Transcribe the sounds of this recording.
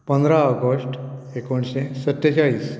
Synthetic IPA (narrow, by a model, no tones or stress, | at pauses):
pə̃nd̪ɾaəɡosʈ | ekoɳɕesət̪ːaɕaɭiːs